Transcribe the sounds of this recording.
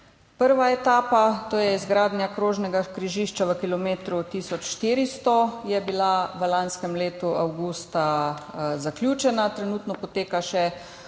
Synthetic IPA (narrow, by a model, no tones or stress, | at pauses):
pəɾʋaɛt̪aːpat̪oːjɛizɡɾaːd̪njakɾoːʒnɛɡakɾiʒiːʃt͡ʃaʋəkilɔmeːt̪ɾut̪iːsɔt͡ʃʃt̪iːɾist̪ɔjɛbilaʋəlanskɛmleːt̪uawɡuːst̪a | zaklʲjuːt͡ʃɛnat̪ɾɛnuːt̪nɔpɔt̪eːkaʃɛ